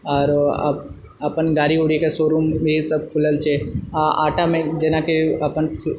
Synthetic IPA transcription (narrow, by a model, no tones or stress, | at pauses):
ɔːɾ̰b | əpənɡaːɾiuɽikesoɾumbʱisəb̚kʰʊləlt͡ʃʰea̰ːʈamẽd͡ʒenakeəpən